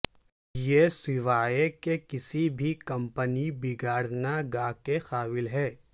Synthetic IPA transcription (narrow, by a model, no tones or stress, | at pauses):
jeːsɪʋaːekekɪsibʱikɐ̃mpənibɪɡaːɾnaɡaːkexaːʋɪlɦɛː